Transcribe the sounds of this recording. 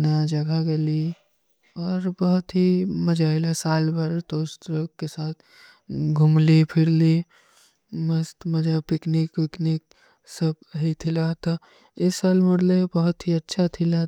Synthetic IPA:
nad͡ʒəɡʱaɡeli | ɔːɾbəɦʊt̪ɦiməd͡ʒaelasaːlbʱaɾt̪oːst̪ɾəkesaːt̪ʰ | ɡʱʊmlipʰɪɾli | məst̪məd͡ʒapɪknikpɪknik̚ | səb̚ɦit̪ʰilat̪ɔ | ɪsaːlməɽlebəɦʊt̪ɦiətːʃʰat̪ʰɪla

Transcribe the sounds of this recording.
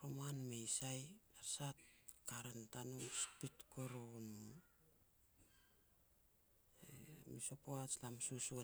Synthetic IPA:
ɾomanmejsajaɾsat̚kaɾentanumspitkoɾon | emisopoat͡ʃlamsusua

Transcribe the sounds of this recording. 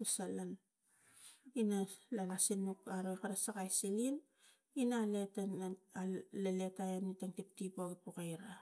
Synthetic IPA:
usalan | inalalasinmukaɾojkaɾasakajsilin | inaːletan | leletajanitaŋtip̚tipoɡipokajɾa

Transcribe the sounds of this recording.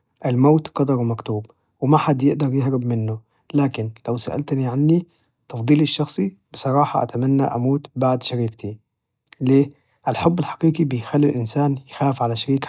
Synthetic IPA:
ʔalmaːt̪qɑd̪ˤɑɾwmakt̪uːb | wɪmaħad̪ːjɪʔd̪ɑɾjɪɦɾɪbmɪnːʊ | laːkɪnlawsa̰ʔa̰lt̪niʕanːi | t̪ɑfd̪ˤiːlɪʃːɑxsˤibɨsˤɑɾˤɑːħɑʔa̰t̪amanːaʔamuːt̪baʕd̪ʃaɾiːk̚t̪ʰi | leː | ʔalħʊbːɪlħɑ̥qiːqibɪjxalːilʔɪnsaːnjɪxaːfʕalaʃaɾiːk

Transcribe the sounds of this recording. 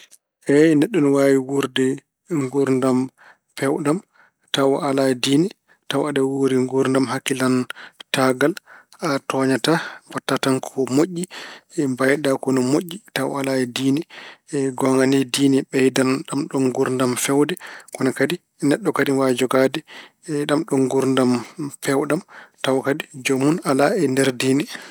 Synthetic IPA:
ʔɛnɛɗːɔnɔwawiwuɾdɛ | ŋɡuɾndam | fɛwɗam | tawɔʔaladiːnɛ | tawadɛwoɾiŋɡuɾndamhakːilantaɡal | atɔɲatabatːatankʰɔmoʔːibajɗakɔnɔmoʔːitawalaɛdiːnɛɡɔŋɡanɛdiːnɛɓɛjdanɗamɗɔnɡuɾndamfɛwdɛkɔnakadi | nɛɗːɔkadiwad͡ʒɔɡadɛ | ɗamɗɔŋɡuɾndamfɛwɗamtawkadid͡ʒɔmunalaɛndɛɾdiːnɛ

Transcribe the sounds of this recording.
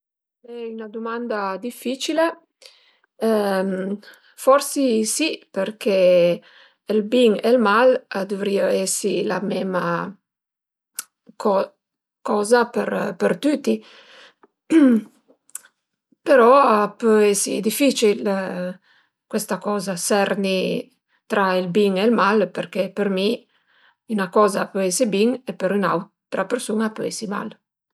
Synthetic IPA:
ɛynad̪umand̪ad̪ifːit͡ʃile | m | fɔrsisiperkʰeː | lbiŋelmalad̪uvɾiaɛsilamɛːma | ɔ | kɔːzapeɾpeɾt̪ut̪ːi | peɾɔapøɛsḭd̪ifit͡ʃil | kwest̪akɔːzasɛɾni | t̪ɾailbiŋelmalpeɾkepəɾmi | ynakɔːzapøɛsibiŋepəɾynaw | t̪ːɾapeɾsunapøɛsima̰l

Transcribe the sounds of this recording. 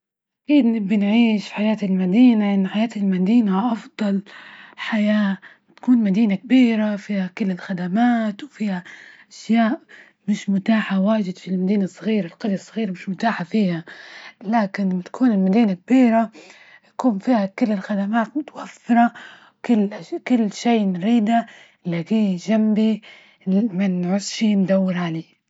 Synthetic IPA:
ʔakiːd̪nɪbːɪnʕiːʃfħajaːt̪ɪlmad̪iːnaʔɪnːħajaːt̪ɪlmad̪iːnaʔɑfd̪ˤɑlħajaː | t̪ḁkuːnmad̪iːnakabiːɾafiːhakɪlːɪlxad̪amaːt̪wfiːhaʔʔaʃjaːʔ | mɪʃmʊt̪aːħawaːʒɪd̪filmad̪iːnasˤːɣiːɾalqɑd̪jsˤːɑɣiːɾamɪʃmʊt̪aːħafiːhalaːkɪnat̪ḁkʰuːnɪlmad̪iːnak̚biːɾa | jḁkuːnfiːhakɪlːɪlxad̪amaːt̪mʊt̪awafːɪɾˤɑ | kɪlːkɪlːʃeːnɾiːd̪a | laɡiːʒambi | manʕʊsʃind̪awːɪɾʕaleː

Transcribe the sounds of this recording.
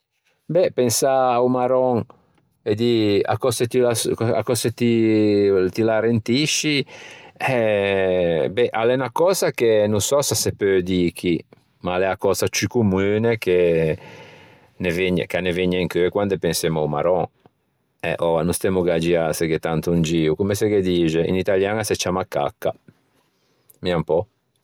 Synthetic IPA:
bɛpensaːwmaɾɔŋ | ed̪ia̰kɔset̪ilasa̰kɔset̪i | t̪ilaɾent̪iʃi | ɛ | bɛʔalɛnakɔzakenusɔsasepød̪iki | malɛakɔːzat͡ʃikumuːneke | neveɲːḛkanːeveɲːɛŋkøɛkwand̪epensemawma̰ɾɔ | ɛ̰ʔɔanust̪ɛmuɡad͡ʒiaseket̪ant̪und͡ʒiːukumeseked̪iːd͡ʒeḭnit̪aljaːnaset͡ʃːamakːa̰kːa | miampɔ

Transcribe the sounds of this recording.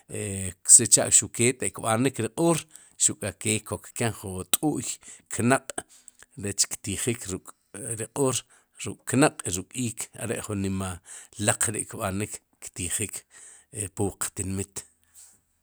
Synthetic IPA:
ekset͡ʃa̰ʔkʃukeːt̪eʔkɓanikɾiqʼoːɾ | ʃukʼakeːkʰːokkeŋχut̪ʼuːʔjkʰnaqʼ | ɾet͡ʃkt̪iχikɾukʼ | ɾiqʼuːɾ | ɾukʼknaqʼiɾukʼiːkʰa̰ɾḛʔχunːimalaq͡χɾḭʔkɓanikːt̪iχiːk | puwqt̪inmit̪

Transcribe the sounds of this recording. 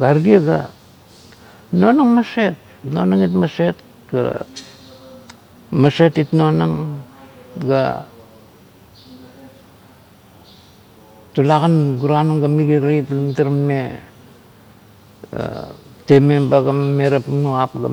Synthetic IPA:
ɡaɾɡiaɡa | no̞naŋmase̞t̚ | no̞naŋitmase̞t̚ | ɡ̥a̰ | mase̞titno̞naŋ | ɡa̰ | tulaɡanɡuɾanuŋɡamiɡiɾajtlamtaɾamme | a̰temebaɡammeɾapnoapɡa̰

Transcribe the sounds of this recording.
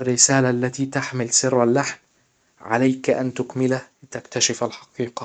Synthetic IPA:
rːɪsaːlaʔlːat̪iːt̪aħmɪlsɪrˤːalːaħm | ʕalajkʔant̪ʊkmɪlahlɪt̪akt̪aʃɪfalħɑ̥qiːqɑ

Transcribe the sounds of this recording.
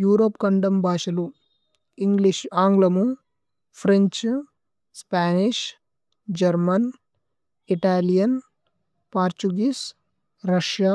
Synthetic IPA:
juːɾoːpkɐɳɖɐmbʱaːʂɐlu | iŋɡliʂaːŋɡlɐmu | pʰɾeɲt͡ʃ | spaːniʂ | d͡ʒɐɾmɐn | iʈaːlijɐn | paːɾt͡ʃuɡiːs | ɾɐʂjaː

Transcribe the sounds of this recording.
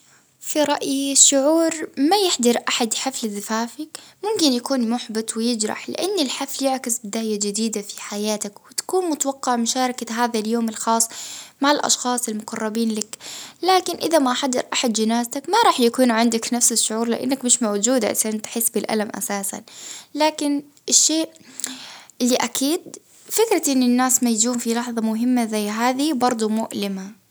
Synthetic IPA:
fiɾˤɑʔjiʃːʊʕuːɾmajɪħd̪ɑɾˤʔaħad̪ħaflzɪfaːfɪkmʊmkɪnjakuːnmʊħbɪt̪wɪjɪd͡ʒɾˤɑ̰ħlɪ̰ʔanːɪlħafljɪʕkɪsbɪd̪aːjad͡ʒɪd̪iːd̪afi̥ħajaːt̪akwɪt̪ḁkuːnmʊt̪awɑqːɑʕmʊʃɑːɾˤɑkaɦaːðaljoːmɪlxɑːsˤːmaʕɪlʔɑ̰ʃxɑːsˤɪlmʊqɑrˤːɑbiːnlaklaːkɪnʔɪðamaʔaħad̪ːɪ̰ɾʔaħad̪d͡ʒɪnaːzt̪akmaɾˤɑːħjakuːnʕɪnd̪aknafsɪʃːʊʕuːɾlɪ̰ʔɪ̰nːakmɪʃmawd͡ʒuːd̪ʕɪ̰sʔnt̪ħɪsːbɪlʔa̰lamʔa̰saːsa̰nlaːkɪn | ʔɪʃːeːʔ | ɪlːiʔakiːd̪ | fɪkɾɑʔɪnːɪnːaːsmajd͡ʒuːmfilɑħðˤɑmʊɦɪmːazajːɦaːðibɑɾˤd̪ˤʊmʊʔlɪma

